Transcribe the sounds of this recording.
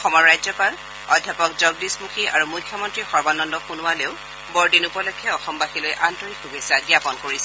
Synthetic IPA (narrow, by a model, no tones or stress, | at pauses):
ɔxɔmɔɹɹajzɔkal | ɔdʱjapɔkzɔɡdismukʰiaɹumukʰːjɔmɔntɹixɔɹbanɔndɔxunʊwaleʊ | bɔɹdinupɔlɔjkʰːɛɔxɔmbaxilojʔantɔɹikʰːubesaɡiapɔnkoɹisɛ